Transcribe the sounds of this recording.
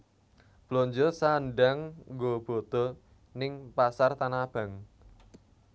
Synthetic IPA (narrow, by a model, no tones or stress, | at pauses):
b̥loɲd͡ʒɔsanɖaŋɡob̥o̤t̪ɔ | nɪŋpasart̪anab̥a̤ŋ